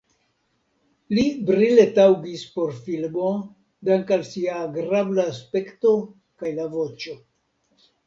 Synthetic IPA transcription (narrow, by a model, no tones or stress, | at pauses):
libɾile̞tawɡispo̞ɾfilmo̞ | daŋkalsiaɡɾablaːspe̞kto̞ | kajlavo̞t͡ʃo̞